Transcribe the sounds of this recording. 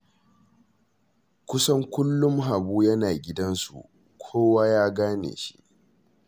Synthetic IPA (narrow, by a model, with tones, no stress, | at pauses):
kʷʊ˦sɐ˦ŋkʷʊ˦lːʊ˦mɦa˨buː˦jɐ˦naː˨ɡʲɪ˦dɐ˦nsṵ˨ʔ | kʷʰoː˦waː˦jaː˦ɡaː˦nḛ˨ʃi̥˦ʔ